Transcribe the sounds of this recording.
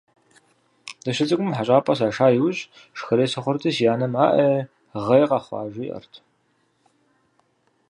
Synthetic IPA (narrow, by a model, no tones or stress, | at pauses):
d̥ɐʃɐt͡sʼɨɡʷʊmħaɕʼaːpʼɐs̬aːʂaːjiwɕʼ | ʃxɐɾeːsɐχʷɔɾtʰʼɐʃjaːnɐmaːʔɐ | ʁɐjqɑχʷɑ̰ːʒʷʊjʔɐ̰rtʰ